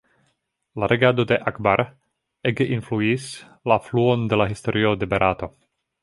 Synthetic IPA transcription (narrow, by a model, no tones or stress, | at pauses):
laɾʔeɡado̞de̞ʔakbaɾ | eɡeʔinfluis | lafluo̞nde̞laɦisto̞ɾʔio̞de̞beɾʔato̞